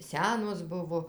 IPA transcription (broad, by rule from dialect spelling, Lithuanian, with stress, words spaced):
ˈsʲæːnoːs ˈbʊʋoː